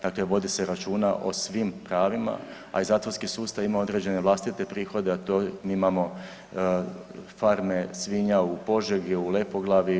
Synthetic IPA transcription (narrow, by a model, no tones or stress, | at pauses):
d̪̥akle̞ʋo̞d̪ise̞ɾat͡ʃuːnaʔo̞̰sʋimpɾaːʋima̰ | a̰izaːt̪ʋoɾskisuːst̪aimao̞d̪ɾed͡ʑe̞ne̞ʋlˠast̪it̪e̞pɾiːxo̞d̪eat̪omiimamo̞ | faɾme̞sʋiɲaupo̞ʒeɡiulepo̞ɡlˠaʋi